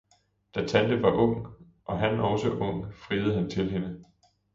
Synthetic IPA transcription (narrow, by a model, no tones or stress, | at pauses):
d̥æt͡sʰænd̥əʋɑ̈ʔɔ̽ŋ̰ | ʔɒ̽ɦænɒʊsəʔɔ̽ŋ̰fʁiːð̩ˠɦænt͡sʰe̝lɦe̝nə